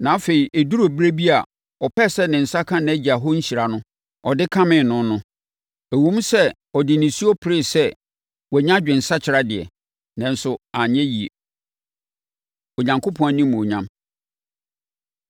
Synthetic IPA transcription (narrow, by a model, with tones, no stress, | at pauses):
nã˨˦fe˨i˨ʔæ˨du˦ɾo˨bɾe˦bi˦a˨ | ɔ˨pɛ˦˨sɛ˦nɪ̃˨n̩˨sa˦kʰã˦ñ˨æ˦d͡ʑi˨a˨ɦɔ˦ɲ̩˦ɕi˨ɾa˨nʊ̃˦ | ɔ˨dɪ˦kʰã˦mɪ̃˨nʊ̃˦nʊ̃˦ | æ˨wõ˦m˦sɛ˦ | ɔ˨dɪ˨nɪ̃˨si˦ɔ˦pʰɪ˨ɾɪ˦˨sɛ˦ | wɛ˨ɲã˦d͡ʑᶣɪ̃˨n̩˨sa˦t͡ɕʰɪ˨ɾa˦dɪ˨ɛ̰˨ | nã˨n̩˦sʊ˨a˨ɲɛ̃˦ji˨e˨ | o˨ɲã˨ŋkʰo˦pʰɔ̃˦æ˦nĩ˦m̃˨o˨ɲã˦m